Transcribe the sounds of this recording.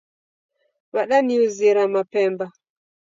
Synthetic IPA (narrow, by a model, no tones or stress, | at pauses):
waɗaniuziɾamapɛmba